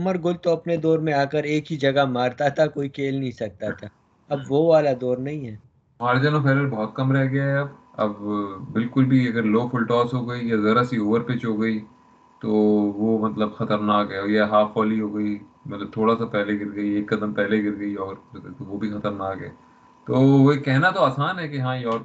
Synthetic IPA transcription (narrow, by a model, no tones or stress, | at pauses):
ɐməɾɡʊlt̪oɐpned̪ɔːɾmẽaːkəɾeːkɦid͡ʒɐɡamaːɾt̪at̪ʰakoːikʰeːlnɐɦĩsɐk̚t̪at̪ʰaː | ɐbʋoːʋaːlad̪ɔːɾnɐɦĩɦɛː | ʊɦaːɾed͡ʒaːnopʰɛːləɾbɔɦɔt̪̚kɐmɾɛɦɡɐjaɦɛɐb̚ | ɐ̰bbɪlkʊlbʱiɐɡəɾloːfʰʊlʈɔːsɦoːɡɐijazɐɾasioːʋəɾpeːt͡ʃɦoːɡɐi | t̪oːʋomɐt̪ləbxɐt̪əɾnaːkɦɛːjaɦaːfɔːliɦoːɡɐi | mɐt̪ləb̚t̪ʰoːɽasapɛːleɡɪɾɡɐieːkːɐd̪əmpɛɦleɡɪɾɡɐiɔːɾt̪oʋoːbʱixɐt̪əɾnaːkɦɛ̰ː | t̪oːʋoekɛɦnat̪oaːsaːnɦɛːkeɦãːjeɔːɾ